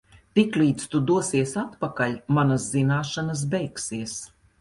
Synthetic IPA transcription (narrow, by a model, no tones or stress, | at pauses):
t̪ikliːt̪st̪ud̪uɔsiɛsat̪pakalʲmanaszinaːʃanas̬bʲɛjksiɛs